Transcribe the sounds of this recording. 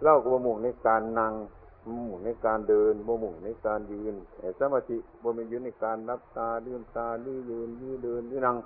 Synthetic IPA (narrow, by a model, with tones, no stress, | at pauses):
la˧˩wkɔ˧˩bɔː˧˦mu˨˩˨ŋna˧˥˩jkaː˧nːa˧ŋ˧ | mu˨˩ŋna˧˥˩jkaː˨˧ndɤː˧nbɔː˧˦mu˨˩ŋna˧˥˩kaː˨˧njɯː˧nɛ˨˧˩sa˧maː˧t̪ʰi˧ʔbɔː˧˦mɛ˧juː˧˦na˧˩˨kaː˨˧nla˧˦˥p̚t̪aː˧lɯː˧˩˨nt̪aː˧lɯː˧˩˨jɯː˧nlɯː˧˨dɤː˧nlɯː˧˨na˧ŋ